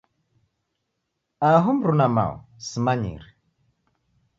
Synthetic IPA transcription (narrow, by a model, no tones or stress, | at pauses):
aɦum̩ɾunama̰ṵsimaɲḭɾi